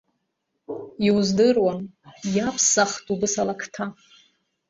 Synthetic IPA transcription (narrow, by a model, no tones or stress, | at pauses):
iwzdɨrwanjapʰsaχtʼubɨsalakʰtʰa